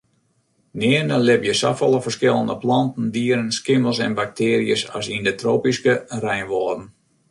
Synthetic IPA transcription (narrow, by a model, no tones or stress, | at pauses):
nɪənəlɪpjəsafɔlˠəfərskɪlˠəndəplɑntn̩diəɾənskɪməlˠsɛ̰nbak̚tʰɪːɾijəsa̰sindətroːpiskərɛjnʋɔədən̩